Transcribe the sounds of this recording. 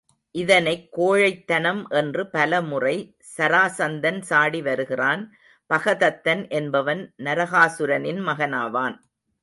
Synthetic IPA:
ʔɪðɐnɐɪkːoːɻɐɪt̪ːɐnɐmʔɛndrɯpɐlɐmʊrɐɪ | sɐɾaːsɐnd̪ɐnsaːɽiʋɐɾɯɣɪraːn | pɐɣɐðɐt̪ːɐnʔɛnbɐʋɐnnɐɾɐɣaːsɯɾɐnɪnmɐɣɐnaːʋaːn

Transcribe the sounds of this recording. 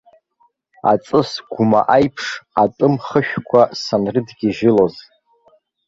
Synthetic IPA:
a̰t͡sʼɨsɡ̥ʷʊma̰ʔajpʰʂatʼɨmχəʃᶣkʷʰasanrɨdɡʲiʒɪloz

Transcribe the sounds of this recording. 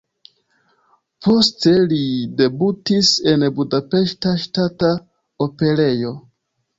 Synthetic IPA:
po̞ste̞lide̞butise̞nbudape̞ʃtaʃtata | ope̞le̞jo̞

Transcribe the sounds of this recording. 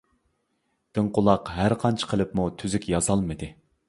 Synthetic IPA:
d̪̥ɨɴqʊlˠɑqɦæɾqʰɑnt͡ʃʰə̥qʰəlˠɨpmut̪ʰyzykʲjɑzɑlˠmɨd̪ɨ

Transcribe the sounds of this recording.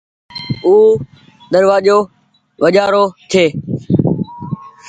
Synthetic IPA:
uː | ɗ̪əɾʋaːʄoː | ʋəʄaːɾoːt̪ʰeː

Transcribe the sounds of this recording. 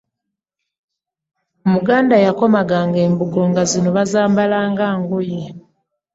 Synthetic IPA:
omuɡaːndajako̞maɡaːŋɡe̞ːmbuɡo̞ŋɡazino̞βazaːmbalaːŋɡaːŋɡoje

